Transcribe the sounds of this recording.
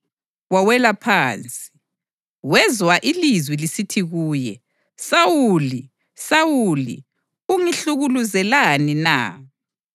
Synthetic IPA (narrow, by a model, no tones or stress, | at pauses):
wawɛlapʰaːnt͡sʼi̥ | wɛzwaʔilizwilisitʰiɣuːjɛ | sawuli | sawulḭ | uŋiɬuɣuluzɛlanina̰ː